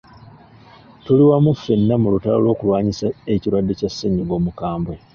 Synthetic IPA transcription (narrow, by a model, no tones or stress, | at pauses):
toliwamufenːamulutalolo̞ːkuβaːɲisaeciɾwadːe̞casːeɲiɡo̞ːmukaːmbwe